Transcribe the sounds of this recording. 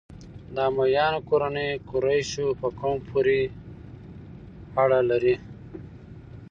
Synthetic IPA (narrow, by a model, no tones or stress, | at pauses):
d̪ɑːmajɑːnkoɾanejkuɾajɕupəkompʰuɾi | aɽalaɾi